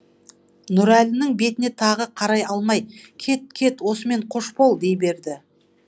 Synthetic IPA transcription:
nʊɾælʲɪnɪŋbe̞t̪ɪne̞t̪ʰɑʁəqʰɑɾɑjɑlˠmɑjkʲʰe̞t̪̚kʲʰe̞t̪wo̞səme̞ɴqʰoʃpo̞lˠd̪e̞jbe̞ɾd̪ɪ

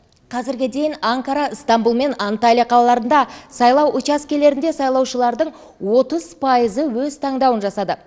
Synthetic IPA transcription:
qʰɑzɪɾɡʲɪd̪e̞jɪnɑŋkaɾɑəst̪ɑmbulˠme̞nɑnt̪alʲijaqʰɑlɑlˠɑɾənd̪ɑsɑjlˠɑwʔʊt͡ʃaskʲele̞ɾɪnd̪e̞sɑjlˠɑwʃəlˠɑɾd̪əɴ | wo̞t̪əz̥pʰɑjəzəwɵzt̪ʰɑɴd̪ɑwənʒɑsɑd̪ə

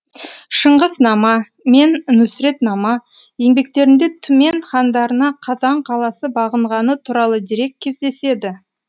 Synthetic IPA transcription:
ʃəɴʁəznɑmɑ | me̞nnʏsɾe̞t̪nɑmɑ | je̞ŋbe̞k̚t̪e̞ɾɪnd̪e̞t̪ʰʏme̞ɴχɑnd̪ɑɾənɑqʰɑzɑɴqʰɑlˠɑsəbɑʁəɴʁɑnət̪ʰuɾɑlˠəd̪iɾe̞kʲkʲʰːe̞zd̪e̞se̞d̪ɪ

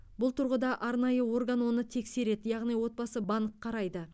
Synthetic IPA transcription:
bʊlˠt̪ʰʊɾʁəd̪ɑʔɑɾnɑjəwo̞ɾɡanwo̞nət̪ʰe̞kse̞ɾe̞d̪jɑʁnijwo̞t̪̚bɑsəbɑɴqʰːɑɾɑjd̪ə

